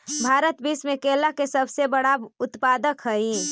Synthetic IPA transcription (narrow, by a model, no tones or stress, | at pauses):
bʱaːɾət̪biːsmẽkeːlakesəbsebəɽaʊt̪paːd̪əkɦəi